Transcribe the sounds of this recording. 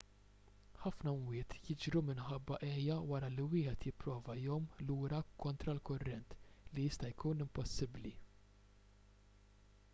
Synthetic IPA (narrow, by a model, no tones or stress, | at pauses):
ħɐfnɐmwɪːt̪jɪd͡ʒɾumɪnħɐbːɐʔɛːjɐwɐɾɐliwɪːħɛt̪jɪpːɾɔːvɐɪjɔmluːɾɐkɔnt̪ɾɐlkʊrːɛnt̪lijɪst̪ɐjkuːnɪmpɔsːɪbli